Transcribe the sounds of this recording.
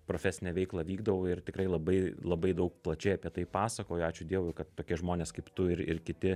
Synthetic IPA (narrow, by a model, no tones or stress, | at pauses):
pɾoːfʲæsʲɪnʲɛʋʲɛɪklˠɐʋʲiːɡd̪ɐʋoːɪrt̪ʲɪkɾɐɪlˠɐbɐɪlˠɐbɐɪd̪ɐʊk̚plˠɐt͡ʃʲɛɪɐpʲiɛt̪ɐɪpɑːsɐkoːjɑːt͡ʃʲʊd̪ʲiɛʋʊɪkɐt̪ːoːkʲɪɛʒmoːnʲeːskɐɪpt̪ʊɪɾɪɾkʲɪt̪ʲɪ